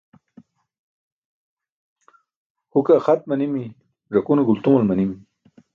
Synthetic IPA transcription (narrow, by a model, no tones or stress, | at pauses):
hukaxat̪̚mɐnimi | ʐakuneɡult̪umɐlmɐnimi